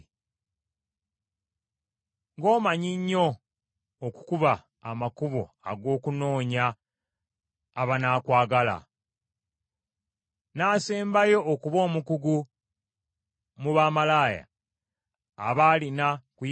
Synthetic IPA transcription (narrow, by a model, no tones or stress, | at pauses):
ŋɡo̞ːmaɲiɲːo̞ː | ku̥kuβaː | makuβo̰ | a̰ɡo̞ːkuno̞ːɲa | βanaːkwaːɡala̰ | naːseːmbajo̞ʔːkuβo̞ːmukuɡu | muβaːmalaːja̰ | βaːlinakuj